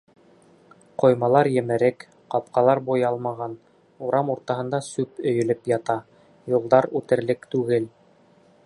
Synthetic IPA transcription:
qŏjmɑlˠɑɾjɘ̆mɘ̆ɾɘk | qɑp̚qɑlˠɑɾbujɑlˠmɑʁɑn | uɾɑmuɾt̪ɑhɤ̆nd̪ɑsʉpɵ̆jɵ̆lɘpjɑt̪ɑ | julˠd̪ɑɾʉt̪ɘ̆ɾlɘkt̪ʉɡɘl

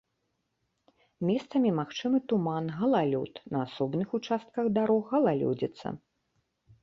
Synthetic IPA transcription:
mʲɛst̪sɐmʲimaxt͡ʂɨmɨt̪umanɣɐlˠalʲṵt̪nɐasɔbnɨxut͡ʂast̪̚kɐɣd̪aɾɔɣɐlˠalʲṵd͡zʲɛt̪sːɐ̰

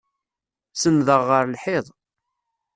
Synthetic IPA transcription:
sənðəʁːəɾlħeðˤ

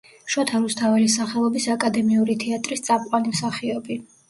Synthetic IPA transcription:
ʃɔt̪ʰalust̪ʰavɛlisaχɛlˠɔbisakʼad̪ɛmiuɾit̪ʰɛat̪ʼɾist̪sʼap̚qʼwanimsaχiɔbi

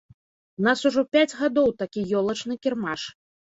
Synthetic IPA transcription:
unasuʐɔpʲad͡zʲɣad̪ɔwt̪akʲijɔlˠɐt͡ʂnɨkʲirmaʂ

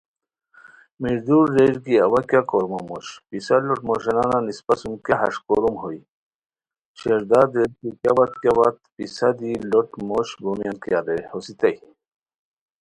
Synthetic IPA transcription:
miɾd̪uɾːeɾkiɐwakjakoɾmamoɕpisaloʈmoɕenananispasumkaɦɐ̰ʂkoɾumɦoj | ɕeɾd̪ad̪ɾeɾkikʲabat̪̚kjawat̪̚pisad̪iloʈmoʃbomijankiad̪ehosit̪ɐj

